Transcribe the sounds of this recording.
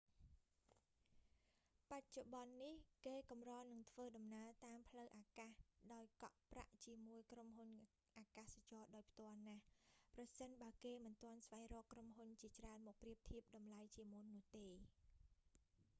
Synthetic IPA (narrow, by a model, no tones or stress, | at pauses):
pac̚t͡ɕoɓɑnːihkeːkumrɑːnɨŋt̪ʰʋəːɗɑmnaət̪aːmpʰləwʔaːkaːhɗaɔjkɑʔpra̰ʔt͡ɕiəmuəjkromɦun | ʔaːkaːsat͡ɕɑːɗaɔjpʰt̪ŏəlnahprɑsənɓaəkeːmɨnt̪ŏənsʋajrɔːkromɦunt͡ɕiət͡ɕraənmɔːk̚priəp̚t̪ʰiəp̚ɗɑmlajt͡ɕiəmunːʊ̆əht̪eː